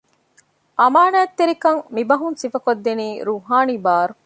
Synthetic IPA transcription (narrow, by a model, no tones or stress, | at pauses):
ʔɐmaːnaːt̪ːeɾikɐŋmibɐɦunsifɐkod̪ːeniːɾuːɦaːnibaːɾu